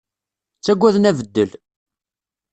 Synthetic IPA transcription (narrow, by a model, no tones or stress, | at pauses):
t͡sːæɡʷːæðnævəd̪ːəl